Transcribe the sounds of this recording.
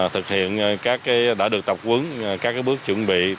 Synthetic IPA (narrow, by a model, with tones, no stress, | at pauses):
t̪ʰɨ˨˩k̚hḭ˧˨ənkaː˦˥kːaː˨˦jɗa̰ː˧˥˩ɨ˨˩ək̚t̪ə˨˩pk͡p̚kwə˨˦n˨kaː˦˥kːaː˨˦jɓɨ˦˥ək̚t͡ɕwə˧˩ənɓḭ˧˨